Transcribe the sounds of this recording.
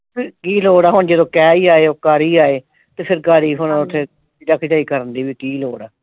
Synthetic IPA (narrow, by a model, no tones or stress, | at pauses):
kiːloːɽaːɦʊɳd͡ʒəd̪õːkɛːiːaːeːoːkaːɾiːaːeː | t̪eːpʰɪɾkaːɾiːɦʊnːʊt̪ʰːeː | id̪əkʰd͡ʒaːiːkəɾənd̪iːʋiːkiːloːɽaː